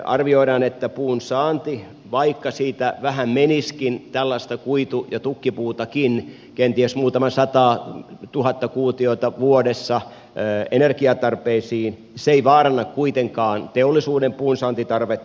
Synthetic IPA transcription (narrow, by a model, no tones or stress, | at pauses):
ɑ̰rʋioiɾɑːnet̪ːæpuːnsɑːnt̪i | ʋɑikːɑsiːt̪æʋæhæmmeniskint̪ælːɑst̪ɑkuit̪ujɑt̪ukːipuːt̪ɑkin | kent̪iesmuːt̪ɑmɑsɑt̪ɑːt̪uhɑt̪ːɑkuːt̪iot̪ɑʋuoɾesːɑ | enerkiɑt̪ɑrpeisiːn | seiʋɑːrɑnːɑkkuit̪eŋkɑːnt̪eolːisuːdempuːnsɑːnt̪it̪ɑrʋet̪ː